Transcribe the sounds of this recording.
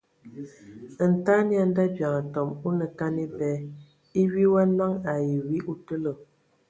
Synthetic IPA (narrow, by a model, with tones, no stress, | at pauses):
n̩˨ta˦nja˨n˦da˦bja˨ŋə˨tɔ˨mu˦nə˨ka˦ni˦bɛ˦ | i˦wi˦wa˦na˦ŋa˨ji˨wi˦ʔu˦tə˦lə˨